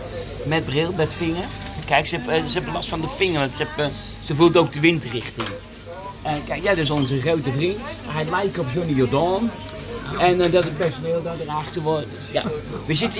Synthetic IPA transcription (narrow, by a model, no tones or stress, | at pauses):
mɛt̚brɪlˠbɛtfɪŋərkɛjksəɛpsəɛplɔstfɔndəfɪŋərʋɑntsəɛp | səfulˠtowk̚dəʋɪntərɪxtɪŋ | əkɛjkjadɪsonzəχrowtəfrinthɛjlɛjkrɔpsonijodɔːn | ɛndɔtsətpɛrsonɪːlˠdɔtəraxtəʋo | ja̰ʋɪsjət